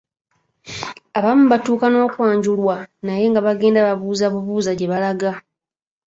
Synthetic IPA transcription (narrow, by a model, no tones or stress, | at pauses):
aβamːuβatuːkano̞ːkwaːɲɟulwanaje̞ŋɡaβaɡe̞ːndaβaβuːzaβuβuːzaɟe̞βalaɡa